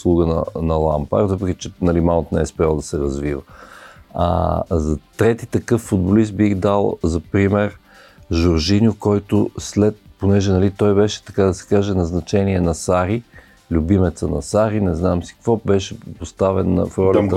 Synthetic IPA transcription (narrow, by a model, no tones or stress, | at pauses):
slˠuɡənɐ̰nɐlˠa̰mpa̰ɾt̪vəpɾɛkʲit͡ʃɛnɐlimant̪nɛɛspɾalˠd̪ɐsɛɾɐzvivə | a̰zɐt̪ɾɛt̪it̪ɐkɤfːʊd̪̚bolis̬t̪̚bixd̪alˠzɐpɾimɛɾ | ʒʊɾʒinʲjʊkɔjt̪ʊslɛt̪̚ponɛʒɛnɐlit̪ɔjbɛʃɛ̥t̪ɐkad̪ɐsɛ̥kaʒɛnɐznɐt͡ʃɛniɛnɐsaɾi | lʲʊbimɛt̪sənɐ̰saɾinɛznamsi̥kkvɔbɛʃɛpost̪avɛnːɐ̰fɾɔl